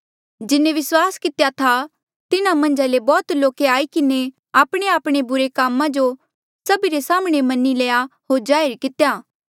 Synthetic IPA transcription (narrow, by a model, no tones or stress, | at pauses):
d͡ʒɪnẽʋɪswaːskɪt̪jat̪ʰa | t̪ɪnãmɐ̃nd͡ʒalebɔːt̪loːkeaːikɪne | aːpɽ̃eaːpɽ̃ebʊɾekaːmãd͡ʒo | sɐbiɾesaːmɽ̃emɐnːileːaɦoːɾd͡ʒaːɪɾkɪt̪ejaː